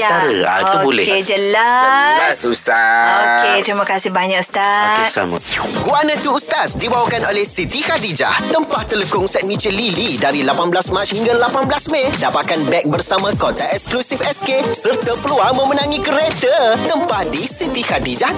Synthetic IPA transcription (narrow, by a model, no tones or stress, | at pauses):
st̪aɾə̰a̰t̪ubolɛ̰hed͡ʒəlaat̪̚susaoket̪ɾimãkasɪhbaɲaʔst̪atsa̰mə̰ɡuanãt̪uːt̪asdibawakanolɛhsit̪ihad̪id͡ʒa̰ht̪əmpaht̪ələkʊŋsɛt̪̚mĩt͡ʃəlilidaɾilapanblasmãt͡ʃhiŋɡalapanblasmẽdapat̪̚kanbɛk̚bərsamãkot̪aɛksklusifɛskesərt̪əpəluaŋmə̃mənãŋĩkəɾet̪ət̪əmpahdisit̪ihad̪id͡ʒah